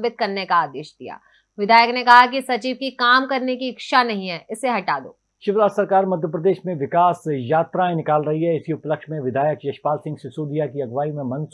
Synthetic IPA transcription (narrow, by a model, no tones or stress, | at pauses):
bɪt̪̚kɐɾnekaaːd̪eːʃd̪ija̰ː | ʋɪd̪ʱaːjəknekɐɦakisɐt͡ʃiːʋkikaːmkɐɾnekiɪkʃanɐɦĩɦɛːʔɪseɦɐʈaːd̪o̰ː | ʃɪʋɾaːsɐɾkaːɾmɐd̪ʱjəpɾɐd̪eːʃmẽʋɪkaːsjaːt̪ɾaẽnɪkaːlɾɐɦiɦɛɪsiʊpləkʃmẽʋɪd̪ʱaːjəkjɐʃpaːlsɪ̃ŋɡsɪsuːd̪ʱijakiɐɡʋaːimẽmɐ̃ns